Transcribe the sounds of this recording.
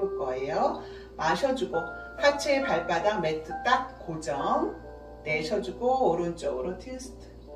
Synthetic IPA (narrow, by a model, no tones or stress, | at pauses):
k͈ʌejo | maɕʰʌd͡ʑuɡo | sʰat͡ɕʰepaɭp͈adametʰɯt͈ak̚k͈od͡ʑʌm | ne̞ɕʰʌd͡ʑuɡooɾɯnt͡ɕ͈ʌɡɯɾotʰesʰɯ̥tʰɯ̥